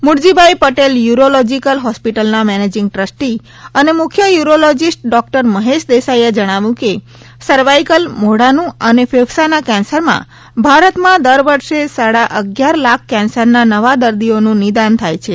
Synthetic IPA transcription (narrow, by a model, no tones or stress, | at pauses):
mʊɽd͡ʒibʱaipəʈeljuɾolɔd͡ʒikəlɦɔspiʈəlnamɛned͡ʒɪŋɡ̚ʈɾəsʈi | ənemʊkʰjəjuɾolɔd͡ʒisʈ̚ɖɔk̚ʈəɾməɦeʃd̪esaied͡ʒəɽ̃aʋũke | səɾʋaikəlmoɽanũənefeʋsanakɛ̃nsəɾmã̰ | bʱaɾət̪mãd̪əɾʋəɾʃesaɽaʔəɡjaɾlakʰkɛ̃nsəɾnanəʋad̪əɾd̪ionũnid̪ant̪ʰajt͡ʃʰe